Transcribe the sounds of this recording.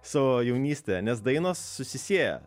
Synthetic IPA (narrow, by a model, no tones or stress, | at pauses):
sʊjɛʊnʲiːsʲt̪ʲɛnʲɛs̬d̪ɐɪnoːsːʊsʲɪsʲiɛjɛ̰